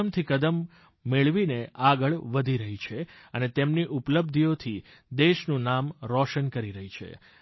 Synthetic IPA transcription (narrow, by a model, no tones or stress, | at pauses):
əmt̪ʰikəd̪əmː | eɭʋineʔaɡəɭʋəd̪ʱiɾəɦit͡ʃʰeənet̪emniʔupləb̚d̪ʱiot̪ʰi | d̪eʃnũnamɾɔʃənkəɾiɾəɦit͡ʃʰḛ